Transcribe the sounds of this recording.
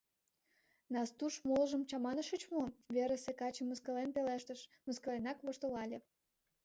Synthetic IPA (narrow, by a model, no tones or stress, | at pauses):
nɑst̪uʃmoləʒə̆mt͡ɕɑmɑnəʃət͡ɕmovʲeɾəsekɑt͡ɕəmːəskəlenpeleʃt̪əʃməskə̆lenɑkβoʃt̪olɑlʲe